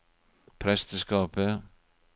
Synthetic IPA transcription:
pʰɾɛst̪əskɑːpə

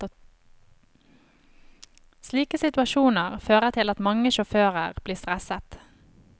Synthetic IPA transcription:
sliːkəsɪt̪ʉɑʃuːnəʁføːʁət̪ʰɪlɑt̪mɑŋəʃʊføːʁəʁb̥liːst̪ʁɛsət̪

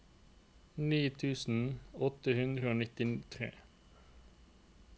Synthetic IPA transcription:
niːt̪ʰʉːsn̩ɔt̪əhʉnd̪ʁəoːnɪt̪ɪt̪ʰʁḛː

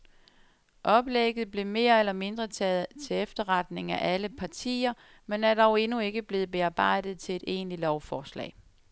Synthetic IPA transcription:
ʔɒ̽b̥leɡ̥ð̩ˠb̥le̝me̝ːɐelɐme̝nd̥ʁɐt͡sʰɛːð̩ˠt͡sʰe̝efd̥ɐʁɑd̥ne̝ŋæʔæləpʰɑ̈t͡sʰḭːɐ | menæɐd̥ɑʊe̝nue̝ɡ̥əb̥le̝ːð̞̩ˠb̥e̝ɑ̈ːb̥ɑ̈ɪ̰d̥ð̞̩ˠt͡sʰe̝le̝d̥e̝̰ːnlilɒʊfɒːslɛ̰ː

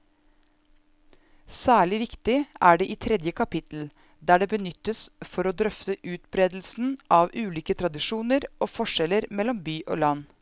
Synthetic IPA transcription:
sæːɭɪʋɪkt̪ɪʔæːɖeʔiːt̪ʰɾɛd̪jəkʰɑpɪt̪l̩ | d̪æːɖeːbənʏt̪ːəsfɔɾɔd̪ɾœft̪əʔʉːt̪bɾeːd̪l̩sn̩ʔɑʋʉːliːkət̪ʰɾɑd̪ɪʂuːnəɾʔoːfɔʂɛləɾmɛlːɔmbyːʔo̰ːlɑnː

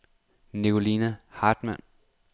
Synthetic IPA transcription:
niko̝linæhɑ̈ːd̥mæn

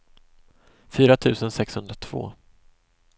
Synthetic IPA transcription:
fyːɾat̪ʰʉ̟ːsənsɛkshɵnd̪ɾat̪ʰv̥o̰ː

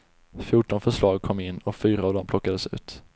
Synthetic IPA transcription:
fjuʈɔnfœʂlɑːɡ̚kʰɔmːɪnːɔkfyːɾaːvd̪ɔmpʰlɔkːad̪əsʉ̟̰ːt̪

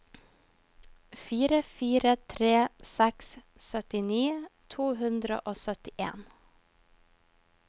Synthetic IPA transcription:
fyːɾəfyːɾət̪ʰɾeːsɛks | sœt̪ɪniːt̪ʰuːɦɵnd̪ɾə̰ʔoːsœt̪ɪʔḛːn

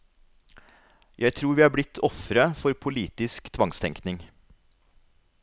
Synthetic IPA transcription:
jʔæɪt̪ʰɾuːɾʋiːhɑːblɪt̪ʰːɔfɾəfɔɾpʰʊliːt̪ɪskt̪ʰʋɑŋst̪ʰɛŋknɪŋ

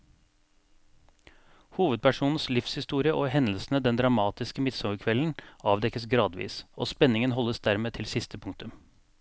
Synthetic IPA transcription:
huːʋəd̪̚pʰæʂuːnn̩slɪfshɪst̪uːɾɪəʔoːɦɛnəlsn̩əd̪ɛnd̪ɾɑmɑːt̪ɪskəmɪt̪sɑʋəkʰʋɛln̩ɑːʋd̪ɛkəsɡɾɑːd̪ʋḭːsʔo̰ːspɛnɪŋənɦɔlːəsd̪æɾmeːt̪ʰɪlsɪst̪əpʰʊŋt̪ʉm

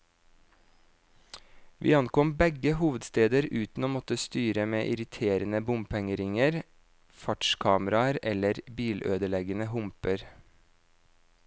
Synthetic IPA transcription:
ʋʔḭːɑnkɔmbɛɡəhuːʋəd̪st̪eːd̪əɾʉːt̪n̩oːmɔt̪əst̪yːɾəmeːʔɪɾɪt̪ʰeːɾənəbʊmpʰɛŋəɾɪŋəɾ | fɑʈʃkʰɑːməɾɑɾɛləɾbiːlʔøːd̪əlɛɡənəɦʊmpəɾ

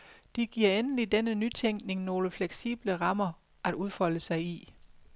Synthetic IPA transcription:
d̥iɡ̥iɐ̰enəlid̥enənyt͡sʰeŋ̰ɡ̥ne̝ŋno̝ːləfleɡ̥sḭːb̥ləʁɑ̈mɐ | ʔæd̥uðˠfɒ̽l̰əsɑ̈ɪi

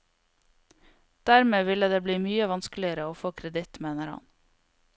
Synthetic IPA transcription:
d̪̥æɾmeːʋɪləd̪eːbliːmyːəʋɑnsklɪəɾəoːfoːkʰɾɛd̪ɪt̪meːnəɾhɑ̰n

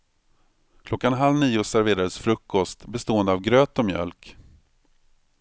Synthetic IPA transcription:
kʰlɔkːanɦalniːʊsæɾveːɾaɾəsfɾɵkʰːɔst̪bɛst̪oːɛnd̪əavɡɾøːt̪ɔmjœ̰lk

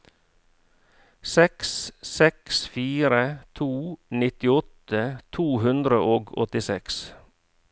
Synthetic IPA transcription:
sɛkssɛksfiːɾət̪ʰuːnɪt̪ɪɔt̪ət̪ʰuːhʉnd̪ɾəʔoːɡɔ̰t̪ɪsɛks

